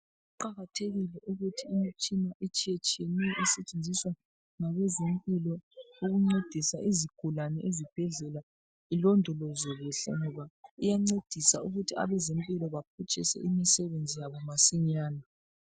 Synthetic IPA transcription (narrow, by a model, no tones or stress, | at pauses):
uǃaɣatʰeɣilɛʔuɣutʰiːmit͡ʃʼinaʔit͡ʃʼijet͡ʃʼijenɛjɛʔɛsɛt͡ʃʼend͡zʱiswa | ŋaɣɛzempʼilɔuɣuŋ͡ǀed̥ʱisaʔiziɡ̥ʱulanɛʔezib̥ʱɛɮɛla | ilɔndʱɔlɔzɔɣuɬɛ̰ŋɔβaijaŋ͡ǀed̥ʱisauɣutʰia̰βɛzempʼilɔβap̚ʰut͡ʃʼḭsɛ̰ʔimisɛβend͡zʱijaβɔmasiɲaːna